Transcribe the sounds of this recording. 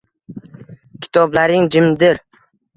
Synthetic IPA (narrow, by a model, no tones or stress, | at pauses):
kʲʰɪ̥t̪ʰɒblaɾɪŋd͡ʒɪmd̪ɪɾ